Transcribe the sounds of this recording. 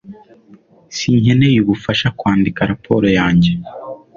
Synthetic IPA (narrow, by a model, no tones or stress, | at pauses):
siːɲhenejuβufaʃakwaːndikaɾapʰo̞ɾo̞jaːɲɟe